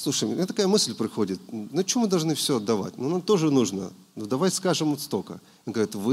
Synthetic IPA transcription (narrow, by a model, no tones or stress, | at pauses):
slˠuʂəjmʲet̪ɐkajəmɨsʲlʲpɾɪxodʲɪt̪̚nʊt͡ɕɪomɨd̪ɐlˠʐnɨfsʲoɐd̪ːɐva̰tʲnunamt̪o̞ʐɨnuʐnə̰ | nud̪ɐvajskaʐɨmot̪st̪okə̰ | onɡəʋɾʲit̪vɨ